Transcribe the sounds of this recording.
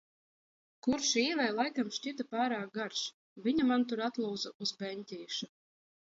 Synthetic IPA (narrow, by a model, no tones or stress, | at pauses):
kuɾʃiːvɛjlˠajkamʃt͡ɕit̪apaːɾaːk̚ɡaɾʃ | vʲiɲamant̪uɾat̪lˠuːd̪zaʔuzbɛnʲt̪ʲiːʃu